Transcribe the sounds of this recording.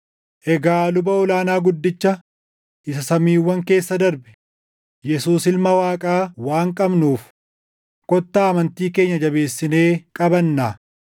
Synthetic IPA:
ʔɛɡaːlʊbɐɔlaːnaːɡʊd̪ːɪt͡ʃːɐ | ʔɪsɐsɐmiːwːɐŋke̞ːsːɐd̪ɐɾbɛ̥ | jɛsuːsɪlmɐwaːkʼaːwaːŋkʼɐbnuːf | kʼɔt̪ːaːɐmɐnt̪iːke̞ːɲːɐd͡ʒɐbe̞ːsːɪne̞ːkʼɐbɐnːaː

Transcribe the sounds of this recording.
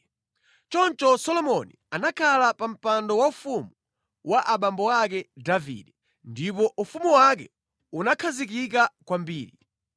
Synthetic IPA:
t͡ʃɔnt͡ʃɔsɔlɔmɔnianakʰalapam̩pandɔwaufumu | wʔaʔaɓambɔak̬ɛdavḭɗɛ | ndip̬ɔʔufumuwak̬ɛ | unakʰazikik̬akwambiːɾi

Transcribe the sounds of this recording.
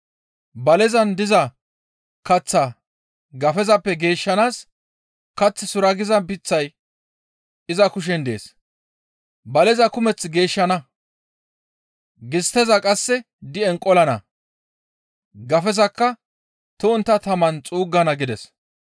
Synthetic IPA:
bɐlɛzɐnd̪ɪzɐ | kɐt͡sːa | ɡɐfɛzɐpːɛɡe̞ːʃːɐnaːs | kɐt͡sːɪsʊɾɐɡɪzɐnpɪt͡sːɐj | ɪzɐkʊʃ̬ɛnd̪ḛːs | bɐlɛzɐkʊmɛt͡sːɡe̞ːʃːɐnɐ | ɡɪst̪ɛzɐkʼɐsːɛ | d̪ɪɛŋkʼɔlɐnɐ̰ | ɡɐfɛzɐkːɐ | t̪ʊʊnt̪ːɐt̪ɐmɐnt͡sʼuːɡːɐnɐɡɪd̪ɛs

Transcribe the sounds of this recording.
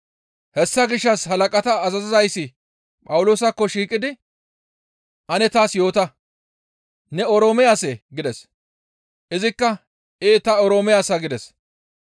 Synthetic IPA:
hɛsːɐɡɪʃːɐsɦɐlɐkʼɐt̪ɐːzɐzɪzɐjsːɪ | pʼɐwʊloːsɐkːɔʃiːkʼɪd̪ɪ | ʔɐnɛt̪aːsjo̞ːt̪ɐ | nɛɔɾoːmɛjaːsɛɡɪd̪ɛs | ʔɪzɪkːɐ | ʔeːt̪ɐɔɾoːmɛjaːsɐɡɪd̪ɛs

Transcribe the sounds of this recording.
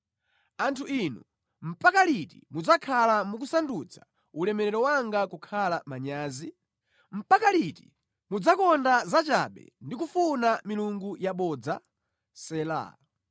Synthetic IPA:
antʰuinu | m̩pakalitḭmud͡zakʰalamuk̬usandut͡sʰḁ | ulɛmɛɾɛɾɔwaŋɡakukʰalamaɲaːzi | m̩pakaliti̥ | mud͡zakɔndazat͡ʃa̰ɓɛ̰ndikufunamiluŋɡujaɓɔːd͡za | sɛːla̰

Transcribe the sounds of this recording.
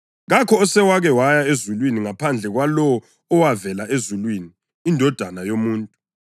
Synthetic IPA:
ɣakʰɔɔsɛwaɣɛwajaezulwiniŋapʰand͡ɮʱɛɣwalɔː | wavɛlaezulwiːniː | ndʱɔd̥ʱanajomuːntʼu

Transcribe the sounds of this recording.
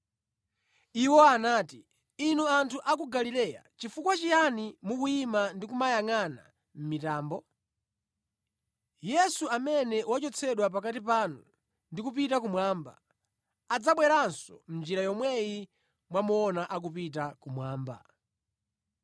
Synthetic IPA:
iwɔanaːti | inuantʰuʔak̬uɡalilɛja̰t͡ʃifukwat͡ʃijanimukuimandikumajaŋana̰ | m̩mitaːmbɔ | jɛsuamɛnɛwat͡ʃɔt͡sʰɛɗwap̬akatipanu | ndikup̬itak̬umwaːmba̰ | ad͡zaɓwɛɾansɔ̰m̩nd͡ʒiɾajɔmwɛji | mwamuɔnaʔak̬upit̬akumwaːmba̰

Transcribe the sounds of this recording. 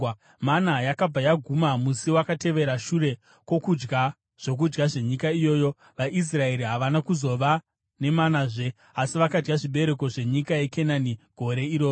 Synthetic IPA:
manajakab͡vajaɡʱumamusiwakate̞ʋe̞ɾaʃuɾe̞ | kwo̞kud͡ʒɡa | ʐ̥o̞k̬ud͡ʒɡaʐe̞ɲikaijo̞ːjo̞ | ʋaʔis̬rae̞ɾiɦaʋanakuzo̞ʋa | ne̞manaːʐe̞ | asiʋakad͡ʒɡaʐiɓe̞ɾe̞ko̞ʐe̞ɲikaje̞kenaniɡ̥ʱo̞ɾe̞iɾo̞ːo

